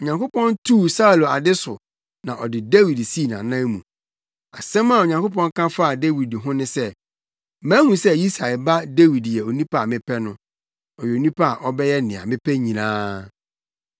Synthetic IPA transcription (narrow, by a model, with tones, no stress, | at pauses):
o˨ɲã˨ŋko˦pɔ̃˦n˦tʰuː˦˨sa˦˨lo˨a˨dɪ˦sʊ˨ | nã˨ʔɔ˨dɪ˨de˦wi˨dsi˦˨nã̰˨nã˦mũ˨ | a˨sɛ̃˦ma˦˨o˨ɲã˨ŋko˦pɔ̃˦ŋ˦kʰã˦fa˦˨de˦wi˨dɦʊ̃˦nɪ̃˦sɛ˦ | mæ̃ː˦hũ˨sɛ˦ji˦sa˨ɛ˨ba˦de˦wi˨djɛ˨o˨nĩ˦pʰa˦˨mɪ̃˦pʰɛ˦nʊ̃˦ | ɔ˨jɛ˨o˨nĩ˦pʰa˦a˨ʔɔ˦bɛ˦jɛ˦nɪ̃˨a̰˨mɪ̃˦pʰɛ˦ɲĩ˨nãː˦